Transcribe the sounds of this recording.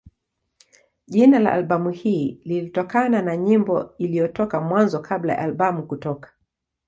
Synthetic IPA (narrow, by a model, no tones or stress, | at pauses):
ʄinala̰ʔalɓamuhiːlilitɔkananaɲimbɔilijɔtɔkamwanzɔkʰabla̰ja̰ʔalɓamukutɔkḁ